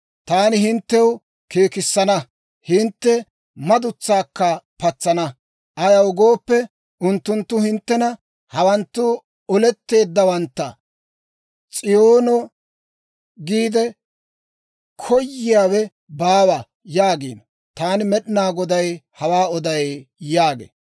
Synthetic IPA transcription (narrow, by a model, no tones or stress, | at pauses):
t̪aːnɪhɪnt̪ːɛwʊ | keːkɪsːɐnɐ | hɪnt̪ːɛ | mɐd̪ʊt͡sːaːkːɐpɐt͡sːɐnɐ | ʔɐjɐwʊɡoːpːɛ | ʔʊnt̪ːʊnt̪ːʊhɪnt̪ːɛnɐ | hɐwɐnt̪ːʊ | ɔlɛt̪ːe̞ːd̪ːɐwɐnt̪ːɐ | t͡sʼɪjoːnɔ | ɡiːd̪ɛ | kʰɔjːɪjaːwɛ | baːwɐ | jaːɡḛːn | t̪aːnɪmɛɗɪnaːɡɔd̪ɐjhɐwaːɔd̪ɐjjaːɡḛː